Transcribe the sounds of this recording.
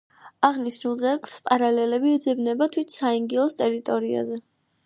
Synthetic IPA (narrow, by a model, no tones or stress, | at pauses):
aʁniʃnulˠzɛɡlˠspʼaɾalɛlɛbiːd̪zɛbnɛbat̪ʰwit̪ʰsaiŋɡilˠɔst̪ʼɛɾit̪ʼɔɾia̰zɛ